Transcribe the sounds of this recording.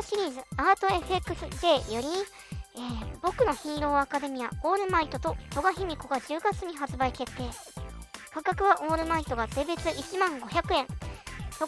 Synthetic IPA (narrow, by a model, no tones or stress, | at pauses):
ɕiɾʲiːzɨaːt̪o̞e̞ɸe̞kːɯ̟sɨd̪e̞ːjo̞ɾʲi | eːbo̞kɯ̟no̞çĩːɾo̞ːakad̪e̞mʲijao̞ːɾɯ̟mait̪o̞t̪o̞t̪o̞ɡaçimʲiko̞ɡad͡ʑɨːɡat͡sɨɲ̟iɦat͡sɨbaike̞t̪ːe̞ː | kakakɯ̟β̞aʔo̞ːɾɯ̟mait̪ːo̞ɡat̪e̞be̞t͡sɨʔit͡ɕimãŋɡo̞çʲakɯ̟ẽ̞ŋt̪o